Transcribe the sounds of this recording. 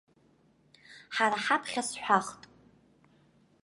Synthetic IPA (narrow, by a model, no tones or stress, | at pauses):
ħaɾaħapʰχʲasħʷaχtʼ